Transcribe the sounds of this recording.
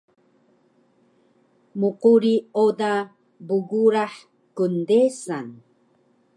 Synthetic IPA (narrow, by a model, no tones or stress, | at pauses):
muquɾioda | buɡuɾaħ | kundesan